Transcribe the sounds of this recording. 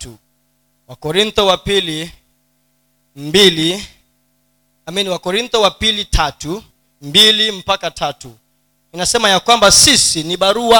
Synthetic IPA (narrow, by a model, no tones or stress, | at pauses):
tu | wakɔɾint̪ɔwapili | mbili | aminiwakɔɾint̪ɔwapilitʰatu | mbilim̩pakatʰatu | inasɛmajakwambasisiniɓaɾua